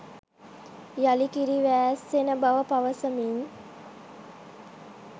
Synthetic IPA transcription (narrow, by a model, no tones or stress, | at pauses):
jalikiɾiʋæːsːenəbaʋəpaʋəsəmiɲ